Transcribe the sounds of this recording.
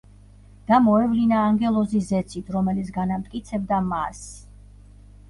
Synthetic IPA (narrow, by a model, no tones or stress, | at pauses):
d̪̥amɔɛvlinaːŋɡɛlˠɔzisɛt̪sʰit̪ʰɾɔmɛlit̪sɡanamt̪ʼkʼit̪sʰɛb̚d̪amas